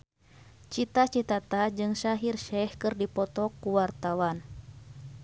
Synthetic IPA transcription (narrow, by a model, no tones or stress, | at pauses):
t͡ʃit̪at͡ʃit̪at̪ad͡ʒɨŋsaɦirʃɛhkɨrdipɔt̪ɔkːuwart̪awan